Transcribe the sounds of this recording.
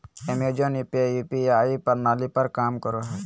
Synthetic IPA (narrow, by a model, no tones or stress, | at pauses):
emed͡ʒonipejuːpiaːipɐɾnaːlipɐɾkaːmkəɾoɦɛː